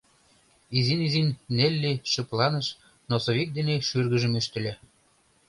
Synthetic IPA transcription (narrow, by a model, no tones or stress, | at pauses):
izinizinːelʲːiʃɤ̆plɑnə̆ʃ | nosoβik̚d̪eneʃyrɣə̆ʒə̆myʃt̪ɘ̆lʲe